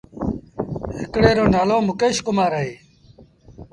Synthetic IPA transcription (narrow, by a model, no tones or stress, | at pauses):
ɦɪkɽeːɾoːnaːloːmʊkeːʃkʊmaːɾəɦeː